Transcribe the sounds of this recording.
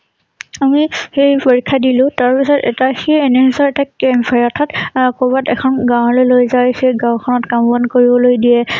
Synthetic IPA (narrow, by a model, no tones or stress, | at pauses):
amixejpoɹikʰːadilʊ̃taɹpisɔtɛtaxeenɛɦisɔɹɛtakempʰajɔtʰatkobatɛkʰɔnɡãw̃ɦɔlojlojzawxejɡãwkʰɔnɔtkambɔnkoɹibɔlojdiɛ